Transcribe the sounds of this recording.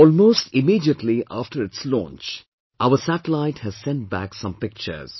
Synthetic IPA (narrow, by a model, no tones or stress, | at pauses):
ɔːlmoːsʈɪmiːɖiəʈʰliʔaːfʈʰəɾɪʈslɔ̰̃nt͡ʃ | ʔaʊəsæʈəlaɪʈhæz̥sɛ̃nʈ̚bæ̰ksʌ̃mpɪk̚t͡ʃə̰ɾz̥